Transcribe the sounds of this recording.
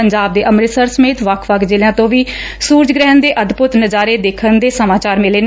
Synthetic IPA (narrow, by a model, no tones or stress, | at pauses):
əɲd͡ʒaːb̚d̪eːʔəmɾɪsəɾsəmeːt̪ʋəkʰʋəkʰd͡ʒɪljãːt̪õːʋiː | suːɾd͡ʒɡɾɛ̃ːnd̪eːʔəd̪pʊt̪nəd͡ʒaːɾeːd̪eːkʰənd̪eːsəmaːt͡ʃaːɾmɪleːn